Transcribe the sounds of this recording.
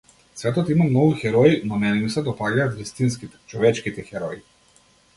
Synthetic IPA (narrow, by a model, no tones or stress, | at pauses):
svɛt̪ɔt̪imamnɔvuxɛɾɔinɔnɛnɛmusɛd̪ɔpaʎaːt̪ɾist̪inskit̪ɛ̥t͡ʃɔvɛt͡ʃkit̪ɛxɛɾɔi